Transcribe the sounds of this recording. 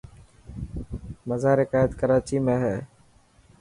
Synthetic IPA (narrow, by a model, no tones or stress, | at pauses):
məzaːɾɪkaːjət̪kəɾaːt͡ʃiːmẽːɦɛː